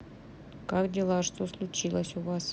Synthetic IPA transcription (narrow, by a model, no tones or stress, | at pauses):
kakdʲɪlˠaʂt̪oslˠʊt͡ɕilˠəsʲʊvas